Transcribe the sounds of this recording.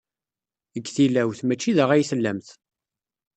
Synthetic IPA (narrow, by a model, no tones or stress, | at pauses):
əɡːθilæwθmæt͡ʃːiðəʁæjisəlːæmθ